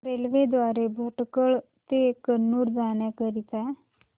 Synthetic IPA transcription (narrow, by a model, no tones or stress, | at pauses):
ɾelʋed̪ʋaɾebʱəʈkəɭ | t̪ekənːuːɾd͡zañjakəɾit̪a